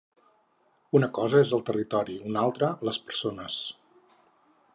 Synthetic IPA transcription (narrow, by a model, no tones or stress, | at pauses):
unəkɔzəezəlˠt̪ərit̪ɔɾiunalˠt̪ɾələspəɾsonəs